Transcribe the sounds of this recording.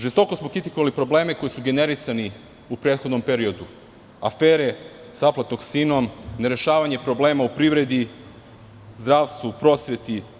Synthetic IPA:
ʒest̪o̞ko̞smo̞kɾit̪i̥koʋalipɾo̞bleːme̞ko̞jisuɡe̞ne̞ɾisani | upɾe̞ːt̪xod̪no̞mpe̞ɾio̞d̪u | a̰fe̞ːɾe̞ | saplˠat̪no̞ɡsiːno̞mne̞ɾe̞ʃaːʋaɲe̞pɾo̞ble̞ːmaupɾiːʋɾe̞d̪i | zd̪ɾaːʋst̪vupɾo̞ːsʋe̞t̪i

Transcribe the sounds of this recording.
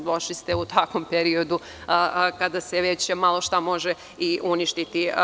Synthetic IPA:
d̪oʃlist̪eut̪akompeɾio̞d̪u | kad̪aseʋet͡ɕmalˠo̞ʃt̪amo̞ʒe | iʔuniʃt̪it̪i

